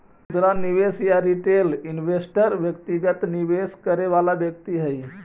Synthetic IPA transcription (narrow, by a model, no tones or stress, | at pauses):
ud̪ɾaniʋesjaɾiʈelinʋesʈəɾʋjəkt̪iʋjat̪niʋeskəɾeʋalaʋjək̚t̪iɦəj